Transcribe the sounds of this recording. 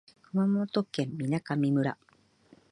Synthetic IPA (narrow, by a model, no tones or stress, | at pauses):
kɯmamot̪okːẽ̞mːinakamʲimɯ̟ɾa̰